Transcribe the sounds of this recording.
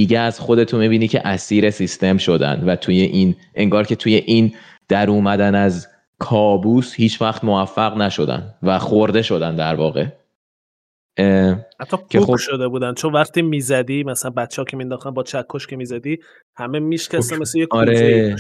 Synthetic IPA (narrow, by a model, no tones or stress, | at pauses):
d̪iːɟeæz̥xo̞d̪e̞t̪ʰunmibiːnicʲʰe̞̰ʔæsiːɾe̞sist̪e̞mʃo̞d̪æ̰nd̪væt̪ʰujeʔinʔe̞ŋɡɒːɾcʰe̞t̪ʰuje̞ʔiːn | d̪̥æɾuːmæd̪ænæz | kʰɒːbuːshiːt͡ʃʰvæχt̪movæfːæɣnæʃo̞d̪æ̰nd̪væxoɾd̪e̞ʃod̪ænd̪æɾvɒːɣe̞ | hæt̪ːɒːkkʰeuoʃo̞d̪ebuːd̪ænt͡ʃʰo̞nvæχt̪iːmizæd̪imæsælænbæt̪t͡ʃʰːɛɒːcʰemind̪ɒχt̪ænbɒːt͡ʃʰækʰːoʃcʰemiːzæd̪iː | hæmemiʃcæsemeslejekːɾe